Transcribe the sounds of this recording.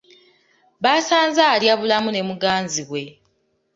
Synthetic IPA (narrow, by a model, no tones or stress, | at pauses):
βaːsaːnzaljaβulamune̞muɡaːnziɣwe̞